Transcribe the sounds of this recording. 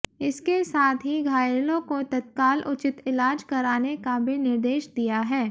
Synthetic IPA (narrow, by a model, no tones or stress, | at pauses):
ɪskesaːt̪ʰɦiɡʱaːjɾlõkot̪ɐt̪̚kaːlʔʊt͡ʃɪt̪ɪlaːd͡ʒkɐɾaːnekabʱinɪɾd̪eːʃd̪ijaɦɛː